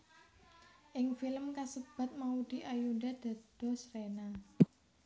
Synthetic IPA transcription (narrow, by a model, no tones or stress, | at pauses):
ʔɪŋfiləmkasəb̥a̤t̪̚maud̪̥i̤ʔajuɖad̪̥a̤d̪̥ɔ̤srena